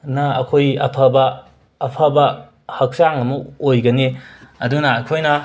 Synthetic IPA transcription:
nɐɐkʰojɐ̰pʰɐbɐː | pʰabɐ | hɐk̚saŋɐmɐojɡɐniɐdunɐːkʰojnɐ

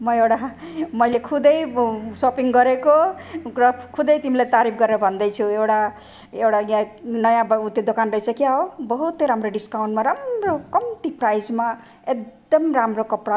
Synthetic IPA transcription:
mʌewʈamʌjlekʰud̪ʌjsopiŋɡʌɾekorʌkʰud̪ʌjt̪imilat̪aɾipʰɡʌɾeɾʌbʱʌnd̪ʌjt͡sʰuewʈa | ewʈajãnʌjãbut̪jod̪okanrʌisʰʌkiaɦobʌɦut̪ʌɾamroɖiskawɳʈmaɾamrokʌmt̪iprajd͡zma | ekd̪ʌmramrokʌpɽa

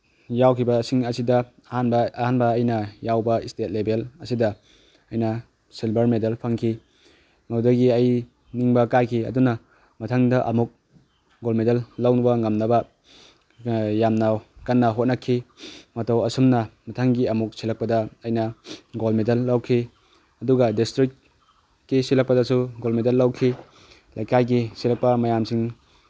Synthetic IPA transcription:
jawkʰibɐːsiŋɐsidɐ | hanbhanbɐːjnɐjawbɐistet̚lebʱelɐsidɐ | ɐjnɐ | silbɐɾmedalpʰɐŋkʰi | ŋawdɐɡiɐj | niŋbɐkajkʰiɐ̰dunɐ | mɐtʰaŋdɐʔɐ̰muk̚ | ɡolmedalːawnubɐŋɐmnɐbɐ | jamnɐkɐnːɐɦot̚nɐkʰːimɐtɐwɐsumnɐmɐtʰaŋɡiɐmuk̚silɐk̚pɐdɐːjnɐɡolmedɐlːawkʰi | ɐduɡɐdistɾikt | kːisilɐk̚pɐdɐsuɡolmedɐlːawkʰi | lɐjkajɡisilɐk̚pɐmɐjamsiŋ

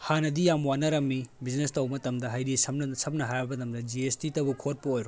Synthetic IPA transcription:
hanɐdijamwanɐɾɐmːibid͡ʒnestɐwmɐtɐmdɐɦajɾisɐmnɐsɐmnɐɦajɐbɐtɐmdɐd͡ʒiestitɐbukʰot̚puojɾo

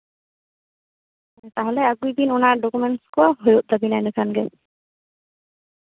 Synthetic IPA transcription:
t̪aɦɔ̃lɛaɡuibinɔnaɖɔkumɛɳʈskɔɦojuʔ̚d̪abinajnɛkʰanɡɛ

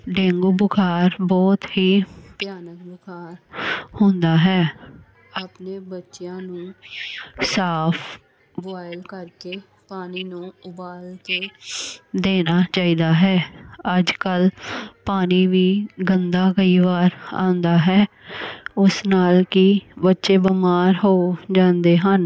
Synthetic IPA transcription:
ɖẽːŋɡuːbʊkʰaːɾbɔːt̪ɦiːpɪjaːnək̚bʊkʰaːɾhʊ̃nd̪aːɦɛː | aːpneːbətːʃɪjãːnũː | saːpʰ | ʋaːjəlkəɾkeː | paːniːnũːʊbaːlkeː | d̪eːnaːt͡ʃaːiːd̪aːɦɛːəd͡ʒkəlpaːniːʋiːɡənd̪aːkəiːʋaːɾã̰ːnd̪aːɦɛː | ʊsnaːlkɪbətːʃeːbəmaːɾɦoːd͡ʒãːnd̪eːɦən

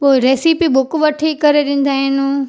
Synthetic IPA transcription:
poːeɾeːsipiɓʊkʋɐʈʰikɐɾeɗɪ̃ːn̆d̪aːɦɪnũː

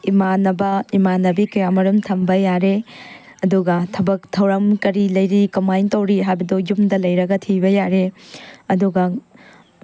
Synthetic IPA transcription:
imanɐbɐimanːɐbikɐjamɐɾumtʰɐmbɐjaɾe | ɐduɡɐtʰɐbɐk̚tʰɐwɾɐmkɐɾilɐjɾikɐmajntɐwɾiɦajbɐdojumdɐlɐjɾɐɡɐtʰibɐjaɾeɐduɡɐ

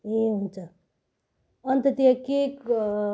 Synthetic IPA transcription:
eɦũnt͡sʰʌ | ʌnt̪ʌt̪ijakek

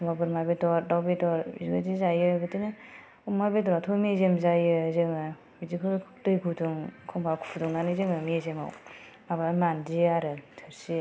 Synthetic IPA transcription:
ɔmbabɯɾmabedɔɾdawbedɔɾiziɡadizajɯbɯtinɯ | umabedɔɾatʰomiezemzajɯzɯŋɯ | bidikʰɯdɯjkʰuduŋkʰɔmbakʰu̥pʰduŋnanɯzɯŋɯmiezema̰w | mabamandiaɾɯtʰɯɾsi

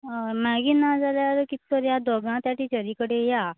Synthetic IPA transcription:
maɡiːnad͡zaljaɾəkit̪oɾjad̪ɔɡãt̪jaʈiːt͡ɕəɾikəɽeja

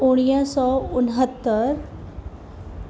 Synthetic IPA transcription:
oɽ̃ijãsɔːʊnɦət̪ːəɾ

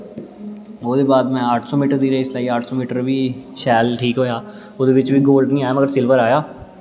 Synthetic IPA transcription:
oːd̪eːbaːd̪mɛ̃ːaːʈʰsɔ̃ːmiːʈəɾd̪iːɾeːɪslaːiːaːʈʰsɔ̃ːmiːʈəɾʋiːʃɛːlʈʰiːkɦoːjaː | oːd̪eːʋɪt͡ʃʋiːɡoːlɖnĩːaːjaːməɡəɾsɪlʋəɾaːjaː

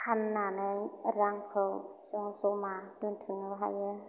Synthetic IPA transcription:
kʰanːanɯjaɾaŋpʰɯwsoŋsomaduntʰɯŋwɦajə

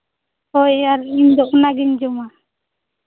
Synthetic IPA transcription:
hɔjaɾiɲd̪ɔʔnaɡiɲd͡ʒɔma

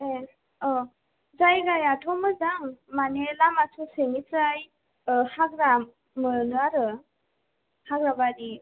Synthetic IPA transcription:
e | ɔ | zajɡajatʰɔmɯzaŋmanelamasʰuseŋitɾaj | haɡɾa | mɯnɯaɾɯ | haɡɾabaɾi

